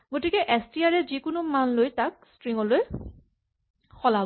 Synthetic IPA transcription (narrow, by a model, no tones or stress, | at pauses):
ɡotikɛʔɛstiaɹɛzikʊnʊmanlojtak̚stɹiŋɔloj | xɔlab